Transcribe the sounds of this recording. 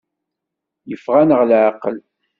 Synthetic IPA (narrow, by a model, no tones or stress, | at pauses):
jəfʁanəʁlʕaqːəl